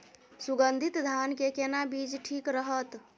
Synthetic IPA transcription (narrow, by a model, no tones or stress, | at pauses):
suɡənd̪ʱit̪d̪ʱankekenabid͡ʒʈʰikɾəɦət̪